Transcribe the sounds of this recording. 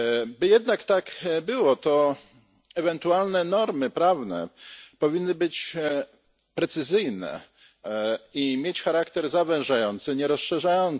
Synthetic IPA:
bɘjɛd̪nakt̪akbɘwɔt̪ɔ | ɛvɛnt̪ualnɛnɔɾmɘpɾavnɛ̰pɔvʲinːɘbɘt͡ɕ | pɾɛt̪sɘzɘjnɛ̰ | imʲjet͡ɕxaɾakt̪ɛɾzavɛ̃wʐajɔnt̪sɘɲɛɾɔsʂɛʐajɔn

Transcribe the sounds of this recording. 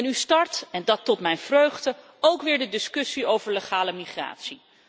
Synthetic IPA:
ɛnystɑɹtɛndɑtːɔtmɛjnvrøɥχdə | owkʋɪːɹdədɪskɵsiowvəɹleχaːləmiχra̰ːtsi

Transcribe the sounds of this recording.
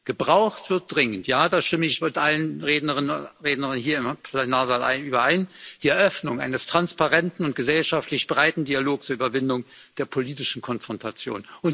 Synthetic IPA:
ɡ̥əbʁaʊχtv̥ɪɐt̚d̥ʁɪŋəntjaːdaːʃtɪməɪçmɪtʔalənʁeːdnəʁɪnənʁeːdnəʁɪnɦiːɐɪmpʰlenaːɐzaːlʔa̰ɪnʔyːbɐʔaɪnd̥iːɛɐʔœfnʊŋʔa̰ɪnəstʁ̥anspaʁɛntn̩ʊnt̚ɡ̥əzɛlʃaftlɪçb̥ʁaɪtn̩dialoːk̚t͡suɐʔyːbɐvɪndʊŋ | d̥eːɐpʰoliːtɪʃn̩kʰɔnfʁ̥ɔntʰat͡sjo̰ːnʔʊnt

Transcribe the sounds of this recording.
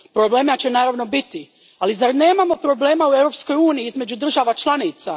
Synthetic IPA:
pɾoble̞ːmat͡ɕenaːɾaʋno̞bit̪i | alizaɾne̞ːmamo̞pɾo̞ble̞ːmauevɾo̞psko̞juːniiizme̞d͡ʒud̪r̩ʒaʋat͡ʃlˠanit̪sa

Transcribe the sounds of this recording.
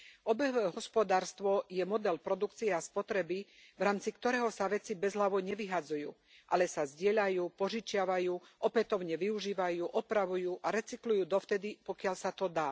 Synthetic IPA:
ɔbɛɦʋɛɦɔspɔd̪aːɾst̪ʋɔjɛmɔd̪ɛlpɾɔd̪ukt͡siɛaspɔt̪ɾɛbiʋɾaːmt͡sikt̪ɔɾɛːɦɔsaʋɛt͡sibɛzɦlaʋɔɲɛʋiɦad͡zujuː | ʔalɛsazɟɪɛʎajuːpɔʒit͡ʃɪaʋajuːʔɔpɛt̪ɔʊɲɛʋiuʒiːʋajuːʔɔpɾaʋujuːʔaɾɛt͡siklujuːd̪ɔft̪ɛd̪ipɔkɪaʎsat̪ɔd̪aː

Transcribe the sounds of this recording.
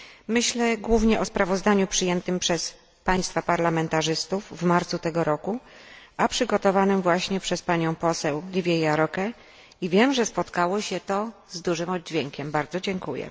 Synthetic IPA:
mɘɕlɛɡwuvɲɛʔɔspɾavɔzd̪aɲupʂɘjɛnt̪ɘmpʂɛs | paj̃st̪fapaɾlamɛnt̪aʐɘst̪ufːmaɾt̪sut̪ɛɡɔɾɔku | apʂɘɡɔt̪ɔvanɘmvwaɕɲɛpʂɛspaɲɔ̃w̃pɔsɛwlʲivʲjɛjaɾɔkɛ | ivʲjɛmʐɛspɔt̪kawɔɕɛt̪ɔzd̪uʐɘmɔd̪̚d͡ʑvʲjɛŋkʲɛmbaɾd̪zɔd͡ʑɛŋkujɛ̰

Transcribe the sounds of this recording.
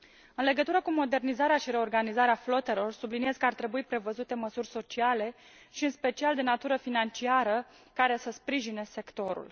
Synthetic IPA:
ɨnle̞ɡət̪uɾəkumo̞d̪e̞rnizaɾeaʃiɾe̞o̞rɡanizaɾeaflo̞t̪e̞lo̞rsublinie̞z̥kəart̪ɾe̞buipɾe̞vəzut̪e̞məsurʲso̞t͡ʃiale̞ | ʃiɨnspe̞t͡ʃiald̪e̞nat̪uɾəfinant͡ʃiaɾə | kaɾe̞səspɾiʒine̞se̞kt̪o̞ɾṵl

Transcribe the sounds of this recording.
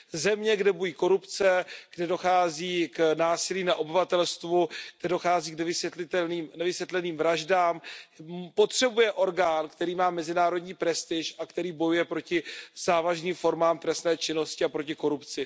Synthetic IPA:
zɛmɲɛɡdɛbujiːko̞ɾupt͡sɛɡ̥dɛdo̞xaːziːknaːsɪliːnaʔo̞bɪvat̪ɛlst̪vuɡ̥̚dɛdo̞xaːziːknɛvɪsjɛt̪lɪt̪ɛlniːmnɛvɪsjɛt̪lɛniːmvɾaʒdaːm | po̞t̪r̝̥ɛbujɛʔo̞ɾɡaːnkt̪ɛɾiːmaːmɛzɪnaːɾo̞dɲiːpɾɛst̪ɪʃʔakt̪ɛɾiːbo̞jujɛpɾo̞cɪz̥aːvaʒniːmfo̞ɾmaːmt̪ɾɛst̪nɛːt͡ʃɪno̞scɪapɾo̞cɪko̞ɾupt͡sɪ

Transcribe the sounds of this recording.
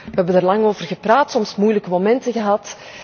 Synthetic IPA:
ʋɛɛbəndaːrlɑŋoːvərɣəpraːtsɔmsmujləkəmomɛntəɣəɦɑt

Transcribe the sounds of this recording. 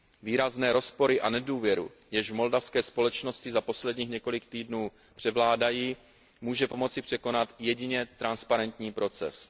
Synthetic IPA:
viːɾaznɛːɾo̞spo̞ɾɪʔanɛduːvjɛɾṵ | jɛʃvmo̞ldafskɛːspo̞lɛt͡ʃno̞scɪzapo̞slɛdɲiːxɲɛko̞lɪkt̪iːdnuː | pr̝̥ɛvlaːdajiː | muːʒɛpo̞mo̞t͡sɪpr̝̥ɛko̞nat̪jɛɟɪɲɛt̪ɾanspaɾɛnt̪ɲiːpɾo̞t͡sɛ̰s

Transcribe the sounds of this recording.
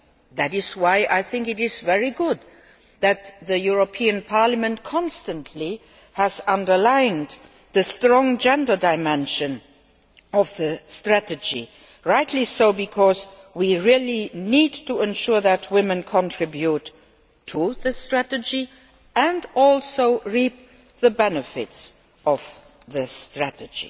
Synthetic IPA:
ðæɾɪzwaɪʔaɪθɪ̃ŋkɨɾɪzvɛɹiɡʊd̪ | ðɨt̪ðəjuɹopʰiɨ̃npʰaɹləmə̃ntkʰɑ̃nstə̃ntʰli | hæzʌ̃ndə˞lãɪ̃n | ðəstɹɔ̃ŋd͡ʒɛ̃ndə˞daɪmɛ̃nʃɨ̃n | ʌvðəstɹ̥ætɨd͡ʒḭ | ɹaɪtʰlisoʊbikʰɔz | wiɹilinidtʰuɛ̃nʃuɹðətʰwɪmə̃nkʰɔ̃ntʰɹ̥ɪbjutʰː | uðəstɹ̥ætəd͡ʒi | ɨ̃ndɔlˠsoʊɹip̚ | ðəbɛnəfɪ̰ts | ʔʌv̥ | ðɨstɹ̥ætɨd͡ʒḭ

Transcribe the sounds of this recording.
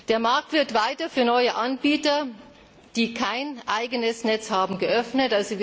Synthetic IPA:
d̥eːɐmaɐk̚tv̥ɪɐtv̥aɪtɐfyːɐnɔʏəʔanbiːtɐ | d̥iːkʰaɪnʔaɪɡənəsnɛt͡shaːbm̩ɡəʔœfnətʔalzo

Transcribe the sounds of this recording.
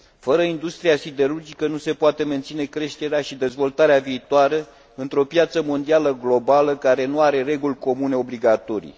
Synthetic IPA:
fəɾəind̪ust̪ɾijasid̪e̞ɾurd͡ʒikənuse̞poat̪e̞me̞nt̪sine̞kɾe̞ʃt̪e̞ɾeaʃid̪e̞zvo̞lt̪aɾeaviːt̪oaɾe | ɨnt̪ɾo̞pjat̪səmo̞nd̪ialəɡlo̞baləkaɾe̞nuaɾe̞ɾe̞ɡulʲko̞mune̞o̞bliɡat̪o̞ɾḭ

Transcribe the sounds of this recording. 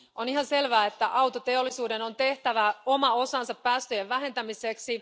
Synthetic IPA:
oniɦɑnse̞lʋæːet̪ːæʔɑwt̪ot̪e̞olːisuːde̞no̞nt̪e̞ht̪æʋæomɑo̞sɑnsɑppæːst̪øjeʋʋæɦe̞nt̪æmise̞ksi

